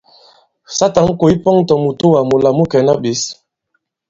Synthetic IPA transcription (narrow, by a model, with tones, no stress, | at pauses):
sa˦ta˨˦ŋ̩˦ko˨i˦pɔ˦ŋtɔ˨mu˨to˦wa˨mu˨la˨mu˦kɛ˨na˦ɓi˨˦s